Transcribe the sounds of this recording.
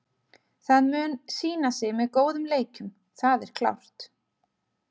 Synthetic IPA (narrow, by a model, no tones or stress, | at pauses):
θaðmʏːnsiːnasɪɣmɛðkoːwðʏmleːjcʏm | θaðɛɾ̥kʰla̰wr̥t̪